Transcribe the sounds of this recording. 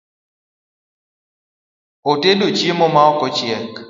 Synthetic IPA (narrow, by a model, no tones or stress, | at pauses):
otedot͡ʃjemɔmaɔkɔt͡ʃɪɛk